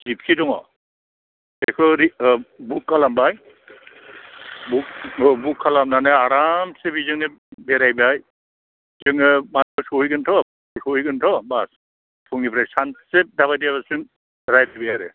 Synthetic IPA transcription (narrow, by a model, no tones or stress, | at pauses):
zip̚kʰidɔŋɔ̰ | ekʰɯɾibukːalambaj | buk̚bukʰːalamnanɯaɾamsebizɯŋnɯ | beɾajbaj | zɯŋɯmankʰɔsɔjɡɯntʰɔ | sɔjɡɯntʰɔbas | pʰuŋnipʰɾajsansep̚dabajdiaβasɯŋ | ɾajdabijaɾɯ̰